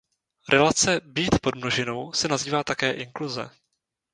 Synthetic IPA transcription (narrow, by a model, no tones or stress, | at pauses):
ɾʔɛlat͡sɛbiːt̪po̞dmnoʒɪno̞wsɛnaziːvaːt̪akɛːʔɪŋkluzɛ̰